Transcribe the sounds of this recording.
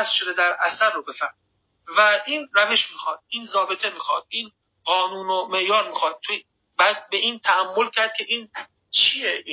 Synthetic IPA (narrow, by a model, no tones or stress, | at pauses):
æst̪ʃo̞d̪ed̪æɾæsæɾːobe̞fæm | væʔiːnɾæve̞ʃmixɒːd̪̥̚iːnzɒːbet̪ʰe̞miːxɒ̰ːd̪̥̚ʔiːn | ɢɒːnuːnome̞ʔjɒːɾmixɒːd̪̚t̪ʰo | bæd̪̚be̞ʔiːnt̪ʰææmːo̞lcʰæɾd̪̚kʲʰe̞ʔiːn | t͡ʃʰijeʔi